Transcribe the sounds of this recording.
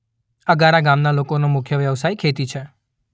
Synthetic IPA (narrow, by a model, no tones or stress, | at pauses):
əɡaɾaɡamnalokonomʊkʰjəʋjəʋsajikʰet̪it͡ʃʰe